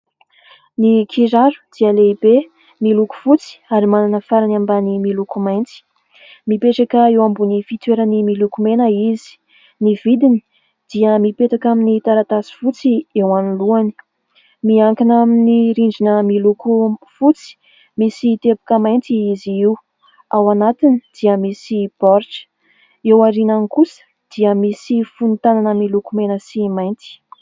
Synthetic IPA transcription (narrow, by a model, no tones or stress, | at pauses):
nikʰiɾaɾu̥d̪̥iəleibe | miluku̥fut͡si̥aɾimananəfaɾanambanimilukumajnt͡si̥ | mipeʈ͡ʂakəewambunifit̪weɾənimilukumenəizi̥ | nivid̪ini̥ | d̪̥iəmipeʈ͡ʂakaminit̪aɾat̪asi̥fut͡siewaniluani̥ | miaŋkinaminiɾiɳd͡ʒinəmilukufut͡si̥ | misit̪epu̥kəmajnt̪iiziiw | awanat̪inid̪̥iəmisib̥ɔɾʈ͡ʂə̥ | ewaɾinanikusə̥ | d̪̥iəmisifunt̪ananəmilukumenəsimajnt̪i̥